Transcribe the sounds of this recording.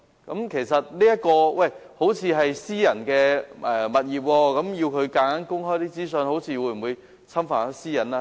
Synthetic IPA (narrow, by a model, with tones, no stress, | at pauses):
kɐ˨˥mkʰe˨˩jsɐ˨t̚liː˥jɐ˥t̚kɔː˧wɐ˨˩jho˨˥wt͡sʰiː˨˧ɦɐ˨jsiː˥jɐ˨˩nkɛː˧ʔɛ˨˩mɐ˨t̚jiː˨p̚wɔː˧kɐ˨˥mjiː˧wkʰɵ˨˧ɥkaː˨˥aː˥nkʊ˥ŋɦɔː˥jt̪iː˥t͡siː˥sœ˧nɦo˨˥wt͡sʰiː˧wuː˨˥jm˩˨˩wuː˨˧j | t͡sʰɐ˥mfaː˧nɔ˨˥siː˥jɐ˨˥naː˧